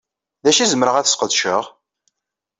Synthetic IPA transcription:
ðæʃizəməɾəʁæθə̥sqəðʃəʁ

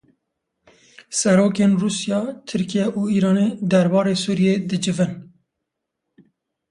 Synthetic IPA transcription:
sɛɾoːkeːnruːsijɑːt̪ʰɨɾkijɛʔuːiːɾɑːned̪ɛɾbɑːɾeːsuːɾijeːd̪ɨd͡ʒɨvɨn

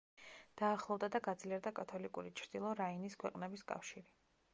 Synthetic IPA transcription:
d̪̥aːχlˠɔvd̪ad̪aɡad̪zliɛɾd̪akʼat̪ʰɔlikʼuɾit͡ʃʰɾd̪̥ilˠɔɾainiskʰwɛqʼnɛbiskʼa̰fʃiɾi

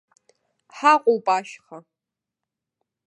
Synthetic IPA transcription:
ħaqʷʼowpʼaʃχa

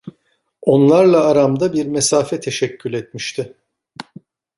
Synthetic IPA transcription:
o̞nlˠaɾlˠaːɾamd̪abiɾmesaːfɛt̪ʰe̞ʃɛcʰːylʲɛt̪̚miʃt̪ʰɪ

